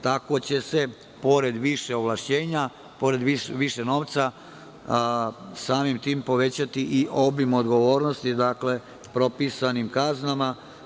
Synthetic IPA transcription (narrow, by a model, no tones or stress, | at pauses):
t̪ako̞t͡ɕe̞se̞ | po̞ɾe̞d̪ʋiʃe̞oʋlaʃt͡ɕe̞ːɲa | po̞ɾe̞d̪iʋiʃeno̞ːʋt̪sa | saːmimt̪iːmpo̞ʋe̞t͡ɕat̪iʔiʔo̞bimo̞d̪ɡo̞ʋo̞ːɾnost̪id̪akle̞ | pɾo̞pisanimkaznama